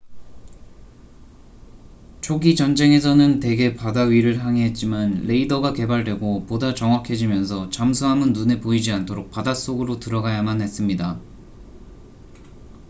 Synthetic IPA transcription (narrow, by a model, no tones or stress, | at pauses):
t͡ɕʰoɡid͡ʑʌnd͡ʑe̞ŋe̞sʰʌnɯnte̞ɡe̞padaɥiɾɯɭɦaŋeɦet̚t͡ɕ͈imanle̞idʌɡake̞baɭdwe̞ɡopodat͡ɕʌŋwakʰe̞d͡ʑimjʌnsʰʌt͡ɕamsʰuɦamɯnːune̞poid͡ʑiantʰoɾok̚padas͈oɡɯɾotɯɾʌɡajamanhe̞s͈ɯmɲida